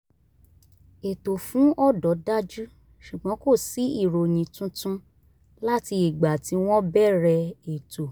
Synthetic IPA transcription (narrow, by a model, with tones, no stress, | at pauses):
e˨to˨fũ˨˦ɔ˦˨dɔ˨˦da˦d͡ʒu˦ | ʃu˨ɡ͡bɔ̃˨˦ko˦˨si˨˦i˦˨ɾo˨jĩ˨tũ˦tũ˦ | la˦ti˧i˨ɡ͡ba˨ti˨˦w̃ɔ̃˦bɛ˦˨ɾɛ˧e˨to˨